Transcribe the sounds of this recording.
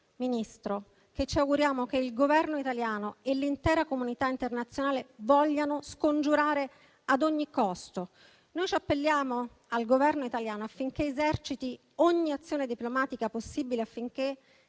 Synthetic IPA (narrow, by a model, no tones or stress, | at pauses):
minist̪ɾo | k̟et͡ʃːiawɡuɾjaːmok̟eilɡovɛrnoit̪aljaːnoelːint̪ɛːɾakomunit̪aint̪ernat̪sːjonaːlevɔʎːanoskond͡ʒuɾaːɾe | ad̪oɲːikɔst̪o | nojt͡ʃiapːelːjaːmo | alɡovɛrnoit̪aljaːnoafːiŋk̟eezɛrt͡ʃit̪i | oɲːiat̪sːjoːned̪iplomaːt̪ikaposːiːbileafːiŋk̟e